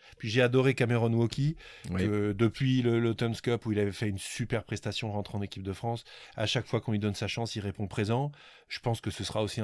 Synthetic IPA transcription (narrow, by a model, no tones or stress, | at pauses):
pɥiʒead̪ɔʁekameʁɔnwɔkʲiəd̪əpɥiləlot̪ɔnskɔpuilavɛfɛynsypɛʁpχɛst̪asjɔ̃ʁɑ̃t̪χeɑ̃nekʲip̚d̪əfχɑ̃sa̰ʃakfwakɔ̃id̪ɔnsaʃɑ̃silʁepɔ̃pχezɑ̃ | ʒ̥əpɑ̃skəsəsəʁaosĩ